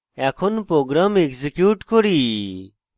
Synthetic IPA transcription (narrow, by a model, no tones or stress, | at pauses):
ɛkʰonpɾoɡɾamekzikjuːʈkɔɾi